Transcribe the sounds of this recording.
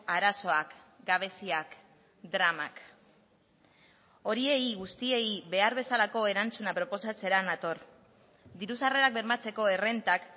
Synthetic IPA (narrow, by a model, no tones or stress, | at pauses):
aɾaso̞ak | ɡaβ̞e̞siak | d̪ɾamak | o̞ɾie̞iɣust̪ie̞iβe̞aɾβe̞salako̞e̞ɾant͡sunapɾo̞po̞sat͡se̞ɾanat̪o̞ɾ | d̪iɾusare̞ɾak̚be̞ɾmat͡se̞ko̞e̞re̞nt̪ak